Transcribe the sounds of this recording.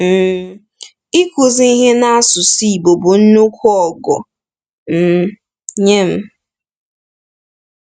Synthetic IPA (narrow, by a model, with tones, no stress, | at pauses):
m̩˨ | i˦kʊ˨zi˦i˦ɦe˦na˦a˦sʊ˨si˦i˨bo˨bo˨n̩˦nʊ˦kʷɔ˦˨ɡɔ̰˨ | m̩˦˨ | ɲe˦m̩˦